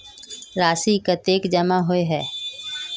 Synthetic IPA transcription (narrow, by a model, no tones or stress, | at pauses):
ɾaːsikət̪eːkd͡ʒəmaɦoeɦɛː